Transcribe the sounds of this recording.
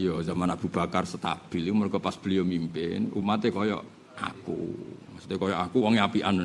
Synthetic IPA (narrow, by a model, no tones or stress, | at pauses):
jɔzamanab̥ṳb̥a̤karsət̪a̰b̥i̤limərɡɔpasb̥ə̤lijomimpɪnṵmat̪ekɔjɔ̰ | ʔa̰kṵmasu̥t̪ekɔjɔʔakuwɔŋjapiʔan